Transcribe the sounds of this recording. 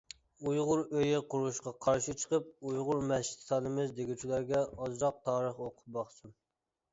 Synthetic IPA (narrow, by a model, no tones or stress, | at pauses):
ujʁʊɾøjɪqʊɾuʃqɑqʰɑɾʃit͡ʃʰə̥qəp̚ujʁʊɾmɛʃi̥t̪sɑnɨmɨzd̪eɡʲut͡ʃʰilˠæɾɡʲɛɑzɾɑq̚t̪ʰɑːɾəχoqʰʊ̥p̚bɑχsun